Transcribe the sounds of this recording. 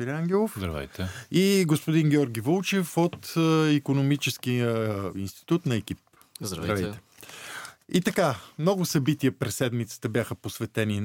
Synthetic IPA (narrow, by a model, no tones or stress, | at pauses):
fiɾʲaŋɡʲɛlˠofzd̪ɾɐvɛ̰jt̪ɛiɡospʊd̪inɡʲɛɔɾɡʲivolˠt͡ʃɛfot̪ikonomit͡ʃɛskiəinst̪i̥t̪ut̪nɐɛk̟ip̚ | zd̪ɾvd̪ɾɐvɛjtt̪ɛ̥ | it̪ɐkamnɔɡʊsɐbit̪ijəpɾɛsːɛd̪mit̪sə̥t̪əbjaxəposvɛt̪ɛni